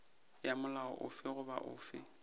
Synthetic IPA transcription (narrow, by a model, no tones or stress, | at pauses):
jamʊlaɔ̰ʔʊfɪɣʊba̰ʔʊ̰ːfɪ